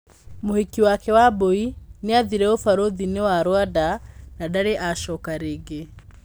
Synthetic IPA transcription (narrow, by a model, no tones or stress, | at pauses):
mohikiwakɛwaboineaðiɾɛofaɾoðinewaɾwadanadaɾeʔaʃɔkaɾeɡe